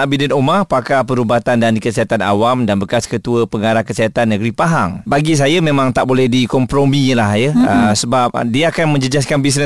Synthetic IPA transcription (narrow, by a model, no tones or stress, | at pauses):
ʔabidɛnomarpakapəɾubat̪andandikəsiɦat̪ana̰wamdanbəkaskət̪uəpəŋaɾahkəsiɦat̪anːəɡɾipaɦaŋbaɡis̬ajamẽmãŋt̪aʔbolɛhdikɔmpɾomĩlahjəəsəbap̚diaakanmə̃ɲd͡ʒəd͡ʒas̬kanbis̬nə